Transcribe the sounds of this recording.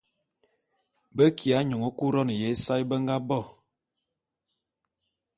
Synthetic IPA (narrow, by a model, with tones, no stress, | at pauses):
bə˦kʰi˨a˨˦ɲo˨ŋo˨ku˦ɾɔ˦n˨je˨˦sa˦jbə˦ŋ˦ɡa˦bɔ˦˨